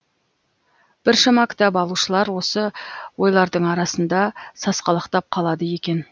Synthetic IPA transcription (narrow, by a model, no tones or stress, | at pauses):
b̥ɪɾʃɑmɑkʲʰɪ̥t̪ɑbɑlˠuʃəlˠɑɾwo̞səwo̞jlˠɑɾd̪əɴɑɾɑsənd̪ɑsɑsqɑlˠəqt̪ɑp̚qʰɑlˠɑd̪əje̞kʲe̞n